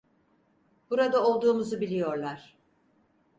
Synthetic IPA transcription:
b̥uɾad̪ao̞lˠd̪uːmuzubilʲijo̞ɾlˠaɾ̥

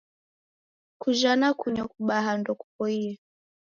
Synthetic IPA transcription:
kuʒanakuɲɔkuɓaɦandɔku̥pɔiɛ

